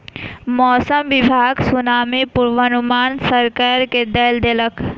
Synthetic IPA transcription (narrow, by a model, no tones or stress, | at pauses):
mɔːsəmʋɪbʱaːɡsʊnaːmipʊɾʋənʊmaːnsəɾkaːɾked̪eːld̪elək